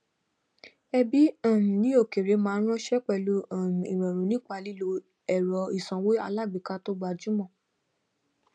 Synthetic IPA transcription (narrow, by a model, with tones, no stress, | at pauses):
ɛ˧bi˦ã˦˨nũ˨nĩ˨˦o˦˨ke˨ɾe˨˦mãː˦˧˦ɾ̃ɔ̃˦ʃɛ˦k͡pɛ˧˨lu˧˦ã˨nũ˨i˨ɾ̃ɛ̃˨ɾũ˨nĩ˦k͡pa˧li˦lo˧ | ɛ˦˨ɾɔ˨˧i˨sɔ̃˨˧we˦a˧la˦˨ɡ͡bi˨ka˧to˦ɡ͡ba˧d͡ʒu˦mɔ̃˦˨